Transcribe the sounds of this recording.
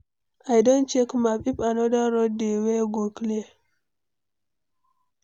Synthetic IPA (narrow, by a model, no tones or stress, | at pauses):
ʔajdont͡ʃekmapipanodaɾɔdeweɡokle